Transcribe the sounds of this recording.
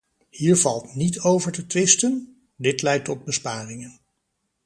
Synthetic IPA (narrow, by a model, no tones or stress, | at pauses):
hiːɹvɑlˠtnitowvəɹtətʋɪstən | dɪtlɛjtːɔd̚bəspaːrɪŋən